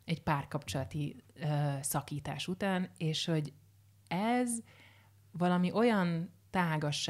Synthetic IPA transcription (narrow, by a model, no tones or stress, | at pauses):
ɛcpaːrkɒpt͡ʃolɒt̪iøːsɒkiːt̪a̰ːʃut̪aːneːʃho̞ɟ | ɛz | vɒlɒmiʔo̞jɒnt̪aːɡɒʃ